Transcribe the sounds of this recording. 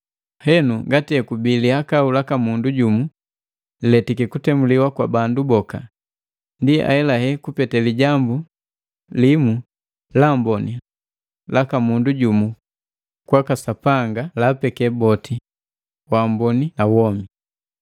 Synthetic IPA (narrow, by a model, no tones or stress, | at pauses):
hɛnuŋɡatiɛkubilihakaulakamunduɟumu | lɛtikikutɛmuliwakwabandubɔka̰ | ndia̰hɛlahɛkupɛtɛliɟambu | limu | lambɔni | lakamunduɟumu | kwakasapaŋɡalapɛkɛbɔtʰi | wambɔninawɔmi